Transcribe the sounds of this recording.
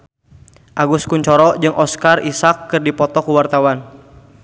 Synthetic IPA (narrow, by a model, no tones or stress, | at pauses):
ʔaɡʊskuɲt͡ʃɔɾɔd͡ʒɨŋʔɔskarisakːɨrdipɔt̪ɔkuwart̪awan